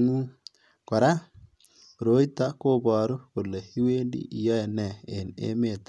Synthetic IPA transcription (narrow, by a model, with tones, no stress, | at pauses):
ŋu˦ | ka˨ɾa˦ | ɾo˨˦i˦t̪a˦ko˦ba˨ɾu˦ko˨lːe˨hi˦we˦ndḭ˦i˨ja˦e˨nɛ˨e˨nḛ˦me˨t̪a˦